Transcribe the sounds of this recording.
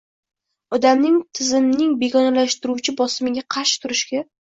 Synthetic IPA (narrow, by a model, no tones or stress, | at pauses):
ɒd̪amnɪŋt̪ʰɪzɪmnɪŋbe̞ɡʲɒnalaʃt̪ɪɾuwt͡ʃʰɪbɒsɪmɪɡʲaqʰɑɾʃɪ̥t̪ʰʊɾɪʃɡʲa